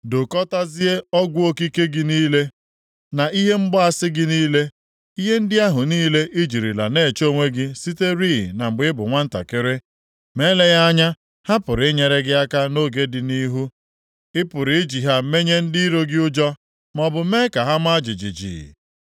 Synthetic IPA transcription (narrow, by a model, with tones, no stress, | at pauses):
do˨kɔ˦ta˦zi˦e˦ɔ˦ɡʷu˦o˦ki˦ke˦ɡɪ˦niː˦le˦ | na˨ʔi˦ɦe˦m̩˦ɡ͡bɔ˦a˦sɪ˦ɡɪ˦niː˦le˦ | i˦ɦe˦n̩˦dɪ˦a˦ɦʊ˨niː˦le˦ʔɪ˦d͡ʒi˨ɾi˨la̰˨ne˦˨t͡ʃo˦˨ŋʷe˦ɡɪ˦si˦te˦ɾi˦˨na˨ŋ͡m̩˨ɡ͡bɪ˦bʊ˨ŋʷa˦n̩˦ta̰˨kɪ˦ɾɪ˦ | me˦le˦ɣa˦a˦ɲa˦ | ha˦pʊ˨ɾɪ˨ɪ˦ɲe˨ɾe˦ɡɪ˦a˦ka˦no˦ɡe˦dɪ˨ni˦ɦu˦ | ɪ˦pʊ˨ɾɪ˨ɪ˦d͡ʒi˨ɦa˦me˦ɲe˦n̩˦di˦i˦ɾo˦ɡɪ˦ʊ˦d͡ʒɔ˦ | mɔ˨bʊ˨me˦ka˨ɦa˦m˦a˦d͡ʒɪ˨d͡ʒḭ˨d͡ʒḭ˨